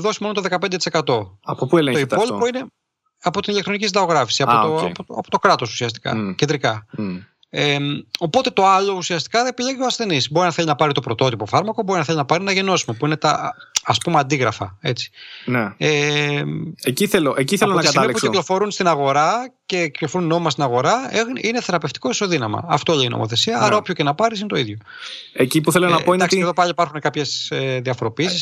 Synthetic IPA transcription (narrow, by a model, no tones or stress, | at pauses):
ðo̞simo̞not̪oðekɐpend̪et̪ise̞kɐt̪o̞ɐpopuelet̪oipo̞lipoine̞ | ɐpo̞t̪inilekt̪ɾo̞nicisind̪ɐɣoɣɾɐfi̥siɐpoopoɐpot̪o̞kɾɐt̪o̞su̥siɐst̪i̥kɐ̰cend̪ɾikɐ | emo̞po̞t̪e̞t̪o̞ɐlo̞usiɐst̪i̥kɐðepiʎeʝioɐsθe̞nisbo̞ɾinɐθe̞ʎʲinɐpɐɾit̪opɾo̞t̪o̞t̪ipo̞fɐɾmɐkobo̞ɾinɐθelinɐpɐɾienɐʝe̞no̞simɐpuinet̪ɐɐspumeɐnd̪iɣɾɐfɐe̞t͡si̥nee | eciθeloʔeciθelot̪sɐlmipusklo̞fo̞ɾunst̪inɐɣo̞ɾɐce̞kklofoɾunːo̞mimɐst̪inɐɣo̞ɾɐexnineθe̞ɾɐpe̞ft̪i̥ko̞iso̞ðinɐmɐ̰ɐft̪olino̰mo̰θe̞siɐɐɾɐo̞pçocenɐpɐɾis̬inet̪oiðʝo̞ | ecipuθelonɐoind̪ɐksieðopɐʎipɐɾxunekɐpçe̞seðiɐfo̞ɾo̞piisis